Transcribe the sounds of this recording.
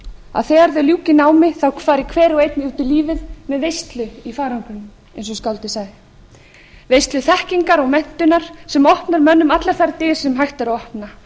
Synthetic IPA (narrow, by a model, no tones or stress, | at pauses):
a̰ðθɛːɣaɾðʏljuːcɪnaːwmɪθawkʰfaːɾɪkʰvɛːɾɔɣejt̪nɪut̪ɪliːvɪðmɛðvejst̪lʏifaːɾaŋkʏnʏm | ḛjnsɔskawlt̪ɪsaːɣðɪ | vejst̪lʏθɛhciŋkaɾɔɣmɛn̥t̪ʏnaɾ̥sɛmɔhpnaɾmœnːʏmat̪laɾθaɾt̪ɪ̥sɛmɦajxt̪aɾaɔhpna